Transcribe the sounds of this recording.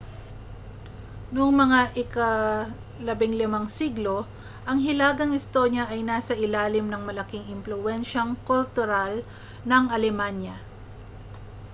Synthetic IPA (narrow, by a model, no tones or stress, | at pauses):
nʊŋmɐŋaʔɪkɐ | lɐbɪŋlɪmaŋsiɡlo̞ | ʔɐŋɦɪlaːɡɐŋɪst̪o̞njɐʔɐjnaːsɐʔɪlaːlɪmnɐŋmɐlɐkiŋɪmplʊʔɛnʃɐŋkʊlt̪ʊɾal | nɐŋʔɐlɛmanjɐ